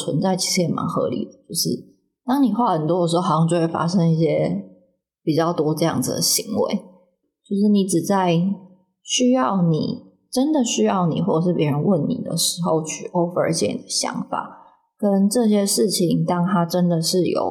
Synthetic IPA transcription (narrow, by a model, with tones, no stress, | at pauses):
t͡sʰwə̰˧˦nt͡sa˥˩ɪt͡ɕʰi˧˥ʂɻ̩˧˥˩jɛ˨˩ma̰˧˥nxɤ̰˧˥lḭ˨˩d̪ə˦t͡ɕjo˥˧ʊʂɻ̩˥˩ | t̪ɑ˥ŋni˨˩xwa˥˩hə˨˩nt̪wɔ˥d̪ə˩ʂ̬̩˧˥o˥˧a˨˩˧ɑ˥˧ŋt͡ɕo˥˧˩we˥˩fa̰˥ʂə˥ŋi˥˩ɕjɛ˥ | pi˨˩t͡ɕjɑ˥˩ʊt̪wɔ˥ʈ͡ʂɤ˥˧jɑ̰˥˩ŋd͡z̩̰˩d̪ə̰˨˩ɕi˧˥ŋwḛ˧˥˦ɪ | t͡ɕjo˥˧ʊʂɻ̩˥˩ni˧˥ʈ͡ʂɻ̩˨˩t͡sa˥˩ɪ | ɕy˥jɑ˥˨˩ʊnḭ˨˩ | ʈ͡ʂə˦nd̪ə˨ɕy˥jɑ˥˩ʊnḭ˨˩xwɔ˥˩ə˨˩ʂɻ̩˥˩pjɛ˧˥ɻə˧˦nwə˥˨˩nnḭ˨˩d̪ə̰˩ʂɻ̩˧˥xo˥˧ʊt͡ɕʰy̰˨˩ʔo˥və˨˩ə̰˞˧˥t͡ɕɛ̰˥˩nḭ˨i˩d̪ə˨˦ɕjɑ̰˧˥ŋfa̰˨˩˦ | kə˦nʈ͡ʂɤ˥˨ɕ̬jɛ˥ʂɻ̩˥˩t͡ɕʰi˨˩ŋt̪ɑ˥ŋt̪ʰa˥ʈ͡ʂə˦nd̪ə˨ʂɻ̩˥˩jo̰˨˩ʊ